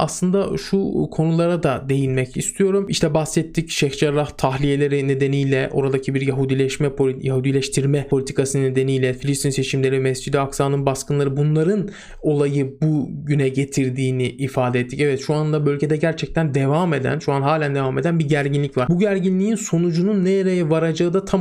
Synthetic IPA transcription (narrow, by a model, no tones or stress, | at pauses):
aslˠɯnd̪aʃʃukʰo̞nulˠaɾad̪ad̪e̞jinmɛcist̪ʰijo̞ɾumiʃt̪ʰɛbasːɛt̪ʰːicʃɛçd͡ʒaɾaht̪ʰaxlʲije̞lʲe̞ɾine̞d̪e̞nijlʲɛʔo̞̰ɾad̪acʰibiɾjaɦud̪ilʲɛʃmɛpʰojahud̪ilʲɛʃt̪ʰiɾmɛo̞lʲit̪ʰikasɯnɯned̪e̞nijlʲɛfilʲist̪ʰinse̞t͡ʃʰimlʲe̞ɾivmɛsd͡ʒid̪iaksaːnɯnbaskɯnlˠaɾɯbunlˠaɾɯn | o̞lˠajɯbuɟynɛɟe̞t̪ʰiɾd̪iːniːfaːd̪ɛet̪ʰːicɛvɛt̪ʃuanlˠabø̞lʲɟe̞d̪ɛɟæɾt͡ʃʰɛc̚t̪ʰænd̪e̞vame̞d̪æ̰nʃuanɦaːlʲænd̪e̞vame̞d̪ænbiɟæɾɟinlʲicvaɾbuɟæɾɟinlʲiinso̞nud͡ʒununːejeɾejivaɾad͡ʒaɯd̪at̪ʰa